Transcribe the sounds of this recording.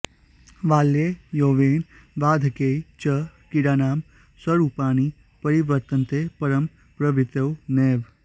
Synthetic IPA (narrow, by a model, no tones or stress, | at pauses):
ʋaːlːejoːʋeːn | ʋaːd̪ʱkeːit͡ʃɐkiɽaːnaːm | sɐɾupaːɳ̃i | pəɾiʋəɾt̪ənt̪eːpɐɾəm | pɾɐʋit̪ewneːʋ